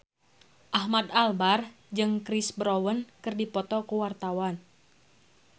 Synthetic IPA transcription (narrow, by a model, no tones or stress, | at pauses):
ʔahmad̪albar | d͡ʒɨŋkɾisbɾowənkɨrdipɔt̪ɔkuwart̪awan